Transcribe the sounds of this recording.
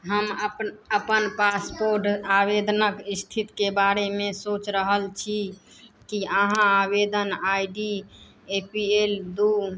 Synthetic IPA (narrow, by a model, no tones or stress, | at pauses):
ɦəməpəpənpaspoɾʈabed̪nəkist̪ʰit̪kebaɾemesot͡ʃɾəɦəlt͡ʃʰi | kiəɦãabed̪ənaiɖi | epield̪u